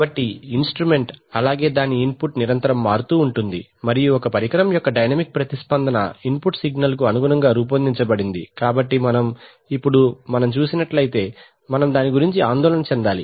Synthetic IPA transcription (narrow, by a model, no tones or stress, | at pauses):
bɐʈːiinsʈɾume̞ɳʈɐlaːɡe̞ːd̪aːniːnpuʈniɾɐnt̪ɐɾɐmːaːɾut̪uːuɳʈund̪imɐɾijuɔkɐpɐɾikɐɾɐmjɔkːɐɖɐjnɐmik̚pɾɐt̪ispɐnd̪ɐnɐ̰inpuʈsiɡnɐlk̬uɐnuɡunɐŋɡaːɾuːp̬ɐnd̪iɲt͡ʃɐbɐɽind̪ḭkaːbɐʈːimɐnɐm | ipːuɽumɐnɐmt͡ʃuːsinɐʈlɐjt̪e̞ː | mɐnɐmd̪aːniɡuɾiɲt͡ʃiaːnd̪ɔːlɐnɐt͡ʃɛnd̪aːli